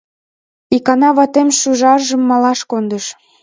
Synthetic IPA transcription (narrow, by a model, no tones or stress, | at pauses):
ikɑnɑβɑt̪emʃyʒɑrʒə̆mːɑlɑʃkond̪əʃ